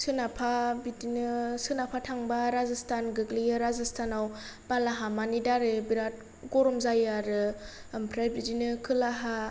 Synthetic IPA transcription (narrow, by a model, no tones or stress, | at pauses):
sɯnapʰabidinɯsɯnapʰatʰaŋbaɾazistʰanɡɯɡliɯɾazistʰanaw | b̥alaɦamanidaɾɯbiɾat̚ | ɡɔɾɔmzajaɾɯ | mpʰɾebidinɯkʰɯlaɦa